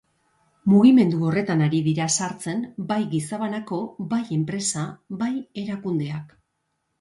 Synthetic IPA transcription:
muɣime̞nd̪uo̞re̞t̪anaɾiðiɾasaɾt͡se̞mbajɣisaβanako̞baje̞mpɾe̞saβaje̞ɾakund̪e̞ak

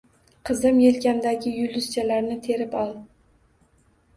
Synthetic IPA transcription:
qʰɨzɨmjelkʲamd̪aɡʲɪjʊlɪst͡ʃʰalaɾnɪt̪ʰe̞ɾɪpɒlˠ

